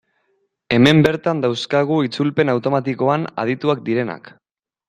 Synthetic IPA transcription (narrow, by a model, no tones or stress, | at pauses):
e̞me̞mbe̞ɾt̪and̪awskaɣ̞uit͡sulpe̞nawt̪o̞mat̪iko̞ana̰ð̞it̪uak̚d̪iɾe̞na̰k